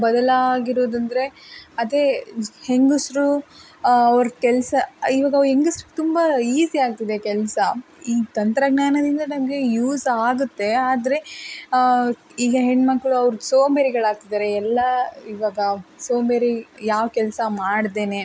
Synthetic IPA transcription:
bɐd̪ɐlaːɡiɾoːd̪ɐnd̪ɐɾe̞ɐd̪e̞heŋɡusɾu | ɐʋɐɾkɛlsɐiʋaːɡɐʋɦeŋɡusɾukːt̪umbɐiːsiaːɡ̚t̪id̪e̞kɛlsɐ | iːt̪ɐnt̪ɾɐɡnaːnɐd̪ind̪ɐnɐmɐɡe̞juːsaːɡut̪ːe̞aːd̪ɐɾe̞ | iːɡɐɦeɳɖmɐkːɭuɐʋɾusoːmbeɾiɡɐɭaːɡ̚t̪id̪aːɾe̞ːlːɐiʋaːɡɐsoːmbeɾijaːʋkɛlsɐmaːɽd̪e̞ːne

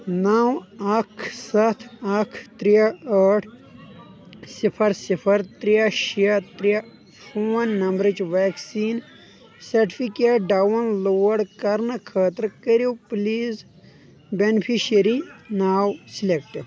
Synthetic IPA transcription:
naːwɐkʰsɐt̪ʰɐkʰt̪ɾijaəʈʰ | sipʰɐɾsipʰɐɾt̪ɾijaʃijat̪ɾija | fʰoːnːɐmbɾed͡ʒʋaːksiːn | sɐɾʈipikeːʈɖawɐnloːɐɽkɐɾnɨkʰɐːt̪ɾkəɾjopliːz | benipʰiʃɐɾinaːwsilek̚ʈ

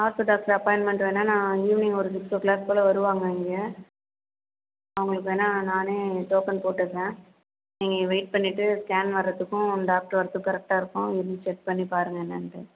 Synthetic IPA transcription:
aːɾt̪oːɖaːk̚ʈɐɾɐpɔɪnmɛɳʈʋeːnːaːnãːiːʋnɪŋɡɔɾɯdɪsoːklaːspoːlɐʋɐɾɯʋaːŋɡɐɪŋɡe | ɐʋɐŋɡɐɭɯkːɯeːnːaːnaːneːʈoːkɐnpoːʈːɯkːẽ | niːŋɡɐʋɐɪʈ̚pɐɳːɪʈːɯskaːnʋɐɾːɐt̪ːɯkːʊ̃ɖaːk̚ʈɐɾʋɐɾɐt̪ːɯkːɐɾɛk̚ʈaːɪɾɯkːʊ̃ɪɾt͡ʃɛʈ̚pɐɳːipaːɾɯŋɡɐnːɐɳɖɯ

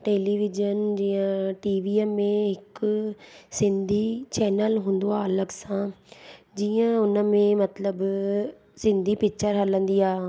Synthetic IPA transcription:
ʈeːliːʋɪd͡ʒənd͡ʒiːãːʈiːʋiːɛmːẽɦɪk | sɪ̃nd̪ʱiːt͡ʃɛːnəlɦʊ̃nd̪oaːləɡsãː | d͡ʒiːãʊnəmẽmət̪ləb | sɪ̃nd̪ʱiːpɪkt͡ʃəɾɦələ̃nd̪iːaː

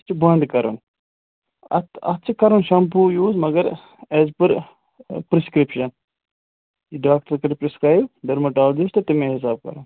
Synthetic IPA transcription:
t͡ʃibɐnd̪kɐɾṵn | ɐ̰t̪ɐ̰t̪̚t͡ʃʰikɐɾunʃɐmpuːjuːzmɐɡɐɾ | eːzpɨɾ | pɾɪskɾɪpʃɐn | jiɖaːk̚ʈɐɾkɐɾpɾɪskɾaːjbɖɐɾmɐʈaːlɐd͡ʒist̪ɐt̪imẽːɦɪs̬aːb̚kɐ̰ɾun

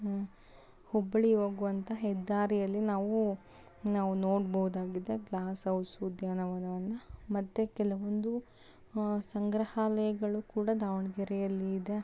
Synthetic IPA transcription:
hɔbːɐɭiɦo̞ːɡuʋɐnt̪ʰɐɦɛd̪ːaːɾijɐlːinaːʋu | naːʋunoːɽbɐɦud̪aːɡid̪eɡlaːsɐwsud̪ʱjaːnɐʋɐnɐʋɐnːɐmɐt̪ːekɛlɐʋond̪u | sɐŋɡɾɐhaːlɐjɐɡɐɭukuːɽɐd̪aːʋɳɐɡɛɾɛjɐlːiːd̪e̞

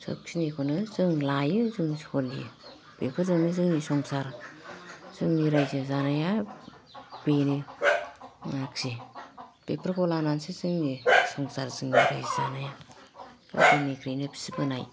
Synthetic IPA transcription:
sʰo̰p̚ksinekʰɔnɯzɯŋlajɯzɯŋshʰɔlijɯ | pepʰɯɾzɯŋnɯzɯŋnisɔŋsaɾ | z̥ɯŋniɾajzɯzanaja | b̥eni | aksi | b̥epʰɯɾkʰɔlanansizɯŋnisɔŋsaɾzɯŋniɾajzzanaja | a̰sɯŋnikʰɾejnɯbʰi̥sibɯnaj

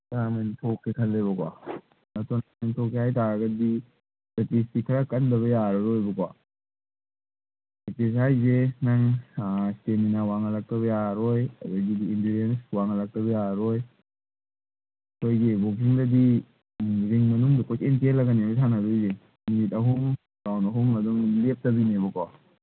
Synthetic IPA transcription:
tanɐnitʰɔkːekʰɐlːeβɐkwa̰ | nɐtʰɔnananitʰɔkehajtaɾɐɡɐdi | sɐtistikʰɐɾakɐndɐβɐjaɾɐɾojbɐkwa | etes̬ajzenaŋsteminawaŋɐlak̚tɐβɐjaɾojɐ̰duɡidiindiɾienswaŋɐlak̚tɐβɐjaɾoj | ɐkʰojɡibok̬iŋdɐdi | ziŋmɐnuŋdikʰojsentelːɐɡaniojtʰanɐɾujze | minitɐɦuŋ | ɡawnɐɦuŋɐduŋlep̚tɐbinebɐka

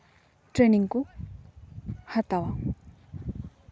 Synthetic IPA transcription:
ʈ͡ʂreniŋku | hat̪awa

